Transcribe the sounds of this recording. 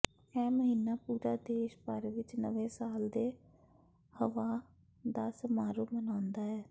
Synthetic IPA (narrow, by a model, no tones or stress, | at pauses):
ɛːməɦiːnːaːpuːɾaːd̪eːʃpəɾʋɪt͡ʃnə̰ʋẽːsaːld̪eː | həʋaː | d̪aːsəmaːɾoːmənaːnd̪aːɛː